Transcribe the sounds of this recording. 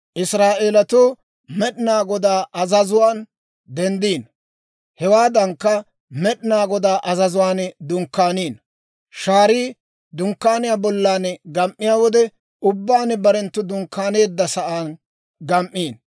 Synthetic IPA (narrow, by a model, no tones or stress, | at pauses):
ʔɪsɾaːʔeːlɐt̪uː | mɛɗnaːɡɔd̪aːʔɐzɐzʊwaːn | d̪ɛnd̪iːn | hɛwaːd̪ɐŋkːɐ | mɛɗnaːɡɔd̪aːʔɐzɐzʊwaːnd̪ʊŋkːaːniːn | ʃaːɾiː | d̪ʊŋkːaːnɪjaːbɔlːaːnɡɐmʔːɪjaːwɔd̪ɛ | ʊbːaːnbɐɾɛnt̪ːʊd̪ʊŋkːaːne̞ːd̪ːɐsɐʔaːn | ɡɐmʔiːn